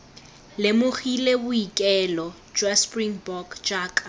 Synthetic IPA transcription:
lɪmʊχilebʊikʼɛlɔ | d͡ʒwaspʼriŋbɔkd͡ʒaːkʼa

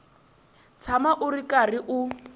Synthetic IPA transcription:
t͡sʰamaʔʊrikariʔu

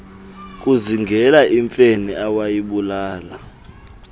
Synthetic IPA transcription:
k̬ʼuziŋɡʱɛlaʔiɱfeniawajiɓulaːla

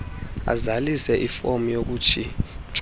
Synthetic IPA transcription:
a̰zalisɛʔifomujok̬uːt͡ʃʰit͡ʃʼ

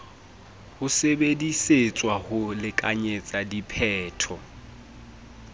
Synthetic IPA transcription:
hʊsebediset͡sʼwahʊlɪkʼaɲet͡sʼadipʰɛːtʰɔ

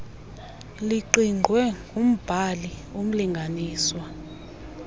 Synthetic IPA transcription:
liǃiŋʱwɛŋɡʱum̩b̥ʱalium̩liŋɡʱaniːswa

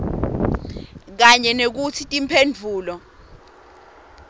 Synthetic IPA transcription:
k̬aɲɛnek̬utʰitʼimpʰend͡vʱuːlɔ

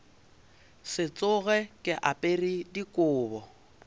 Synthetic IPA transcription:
sɪt͡sʼʊɣɛkʼɪʔapʼeridikʼʊːbɔ

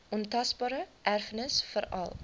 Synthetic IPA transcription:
ʔɔntɐsbɑːɾəʔærfənəsfəɾɐ̰lˠ

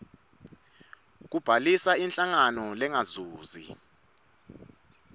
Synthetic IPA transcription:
k̬ub̥ʱalisaint͡ɬʼaŋanɔlɛŋazuːzḭ

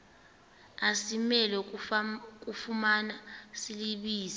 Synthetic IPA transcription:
asimɛlɛ | k̬ʼufumanasiliɓiːzi

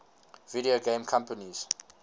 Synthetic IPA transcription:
viɾioɡẽmkʰãmpəniz̥

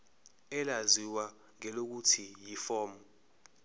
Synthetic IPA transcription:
ɛlaziwa | ŋɛlok̬utʰijifɔːmɔ

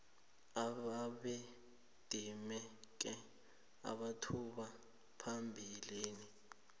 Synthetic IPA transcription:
aβaɓe | d̥ʱimɛk̬ʼɛ | a̰ɓatʰuɓa | pʰambʱiliːni

